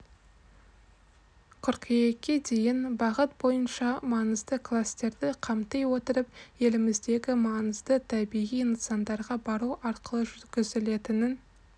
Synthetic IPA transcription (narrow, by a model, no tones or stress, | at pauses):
qʰʊɾqʰije̞kʲʰːe̞d̪e̞jɪnbɑʁət̪̚bo̞jənʃɑmɑnəzd̪əkʰlˠast̪e̞ɾd̪ɪqʰɑmt̪ejwo̞t̪əɾəpje̞lɪmɪzd̪e̞ɡʲɪmɑnəzd̪ət̪ʰæbijijnəsɑnd̪ɑɾʁɑbɑɾuʔɑɾqəlˠəʒʏɡʲɪzɪle̞t̪ɪnɪn